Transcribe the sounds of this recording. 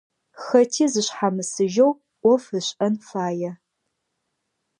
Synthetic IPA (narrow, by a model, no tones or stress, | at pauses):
xɐtʰiːzɨɕħamɨsɨʒɐw | ʔʷɔfɨɕʼʔɐnfaːjɛ